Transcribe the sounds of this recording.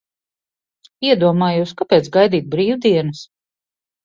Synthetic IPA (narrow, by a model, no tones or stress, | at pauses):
iɛd̪uɔmaːjuskapɛːt̪sɡajd̪iːt̪̚bɾiːwd̪iɛnɐs